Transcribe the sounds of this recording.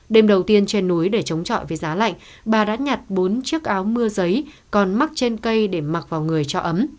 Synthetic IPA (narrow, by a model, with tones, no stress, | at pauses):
ɗe˧mɗə˨˩wt̪i˧ənt͡ɕe˧nːu˨˦jɗe˧˩t͡ɕə˨˦wŋ͡mt͡ɕɔ̰˧˨jvəː˨˦jzaː˨˦la̰˧˨jŋ̟ | ɓaː˨˩ɗa̰ː˧˥ɲa˨˩t̚ɓo˨˦nt͡ɕɨ˦˥ək̚ʔaː˨˦wmɨ˧əzə˨˦j | kɔ˨˩nma˦˥k̚t͡ɕe˧nkə˧jɗe˧˩ma˨˩t̚vaː˨˩wŋɨ˨˩əjt͡ɕɔ˧ʔə˨˦m